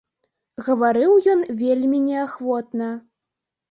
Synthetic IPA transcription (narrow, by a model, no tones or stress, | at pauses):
ɣɐvaɾɨwjɔnvʲelʲmʲinʲɛaxvɔt̪nɐ